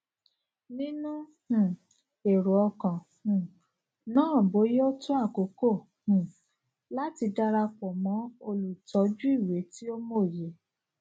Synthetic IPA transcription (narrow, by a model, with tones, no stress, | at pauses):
nĩ˦nũ˦ | h̩˨ | e˨ɾo˨ɔ˧kã˨ | hũ˨ | nãː˦˨bo˨˦je˦o˦tũ˦a˦˨ko˨˦ko˦˨ | h̩˨ | la˦ti˧da˧ɾa˧k͡pɔ˨mɔ̃˨˦o˧lu˨tʰɔ˨˦d͡ʒu˦i˦˨we˨˦ti˦o˦mo˦˨je˨˦